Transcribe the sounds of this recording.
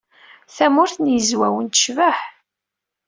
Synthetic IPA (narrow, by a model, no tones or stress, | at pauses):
θæmʊɾθnjəzwæwənt̪ə̥ʃvəħ